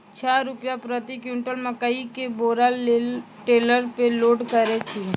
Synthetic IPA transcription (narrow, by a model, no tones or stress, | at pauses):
t͡ʃʰaɾʊpjapɾət̪ikjuɳʈəlmãkəikeboɾa | ʈeləɾpeloɖkəɾet͡ʃʰi